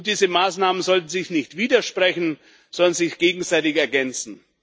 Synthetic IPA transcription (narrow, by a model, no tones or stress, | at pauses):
d̥iːzəmaːsnaːmənzɔltn̩zɪçnɪçtv̥iːdɐʃpʁ̥ɛçn̩ | z̥ɔndɐnzɪçɡ̥eːɡŋ̩zaɪtɪçɛɐɡɛnt͡sn̩